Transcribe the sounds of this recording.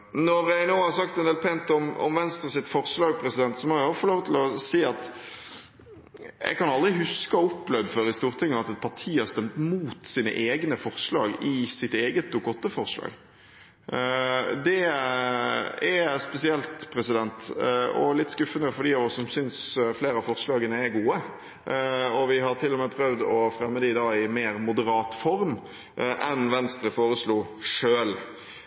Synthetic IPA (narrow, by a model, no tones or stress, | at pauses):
nɔɾjæɪnoːhɑɾsɑk̚t̪d̪ɛnɛlpʰɛnt̪ɔmɔ̰mʋɛnst̪ʁəsɪt̪fɔɾslɑːɡpʰɾɛsɪd̪ɛnt̪sɔmɔɾæɔfɔloːʋt̪ʰɪlɔsiːɑt̪ | jɛ̰ɡkɑnɑld̪ʁɪɦʉskəɔɔpːlœʋd̪əføːɾɪst̪uːʁt̪ʰɪŋːəɑt̪ɛt̪̚pʰɑʁʈ̪ʰiːhɑɾst̪ɛmt̪muːt̪siːnə̰ʔeːɡnəfɔʁslɑ̰ːɡɪsɪt̪eːɡət̪̚d̪ʊkɔt̪ːəfɔʁslɑ̰ːɡ | d̪ɛ | ɛspɛsɪɛlt̪pʰɾɛsɪd̪ɛnt̪ɔ̰lɪt̪ːskʉfːənəfɔɖiːɑʋɔssɔmsʏnsfleːɾɑfɔɾslɑːɡənəɛɾɡuːə | ɔʋɪɦɑɾt̪ʰɪlːɔmɛːpʰɾœʋd̪ɔfɾɛmːəd̪id̪ɑːɪmeːɾmʊd̪əɾɑːt̪fɔɾm | ʔɛnʋɛnst̪ɾəfoːɾəsluːʂøːl